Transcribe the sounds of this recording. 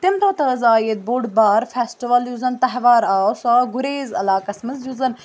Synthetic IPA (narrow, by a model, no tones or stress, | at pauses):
t̪ɪmt̪ɐːt̪ɐːzaːjet̪̚boɖbaːɾfʰesʈiʋɐljuzɐnt̪ɐɦʋaːɾaːsaːɡʊɾeːzɐ̰laːkɐsmɐzjuzɐn